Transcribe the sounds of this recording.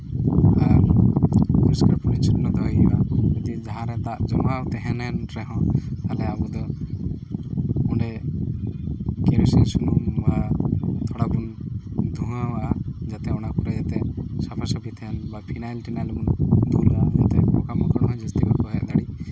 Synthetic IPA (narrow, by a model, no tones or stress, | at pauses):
a | puɾiskaɾpunit͡ʃʰuʈnɔd̪ʱɔɦiaud̪id͡ʒaɦãɾɛt̪aʔd͡ʒɔmɡawt̪ɛɦɛnɛnɾɛɦɔ̃t̪alɛabud̪ɔ | uɳɖɛ | keɾisisunumbat̪ʰɔɽabund̪ʱuɦãwad͡ʒat̪ɛɔnapuɾɛd͡ʒat̪ɛsapʰasapit̪ʰɛnbapʰinajlʈinalmund̪ulad͡ʒat̪ɛmɔkamɔkɔɽɦɔ̃d͡ʒist̪ibakɔɦɛʔd̪aɽi